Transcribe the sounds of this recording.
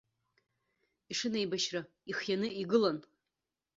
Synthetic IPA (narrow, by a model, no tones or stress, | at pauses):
iʂɨnejbaʃra | iχjanɨiɡɨlan